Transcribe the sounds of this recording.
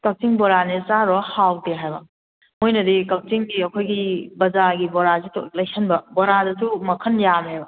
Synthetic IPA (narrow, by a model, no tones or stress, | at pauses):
kɐk̚t͡ʃiŋbɔɾanisaɾɔhawdeɦajbɐ | mojnɐdikɐk̚t͡ʃiŋɡiɐkʰojɡibɐzaɡibɔɾasitʰo̰lɐjsʰɐnbɐboɾadɐsumɐkʰɐnjamɦejbɐ